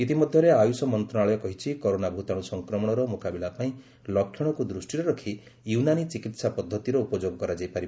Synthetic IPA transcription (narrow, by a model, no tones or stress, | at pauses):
it̪imɔd̪ʱjɔɾeajusɔmɔnt̪ɾɔnaɭɔjɔkɔɦit͡ʃʰikɔɾonabʱut̪aɽ̃usɔŋkɾɔmɔɽ̃ɔɾɔmokabilapaĩ | lɔkʰjɔɽ̃ɔkud̪ɾusʈiɾɔɾɔkʰi | junanit͡ʃikit̪sapɔd̪ʱːɔt̪iɾɔupɔd͡ʒoɡɔkɔɾad͡ʒajpaɾib